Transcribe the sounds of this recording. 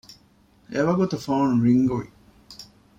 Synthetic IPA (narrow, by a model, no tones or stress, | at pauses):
ʔeʋɐɡut̪ufaːnɾiŋɡuʋḭ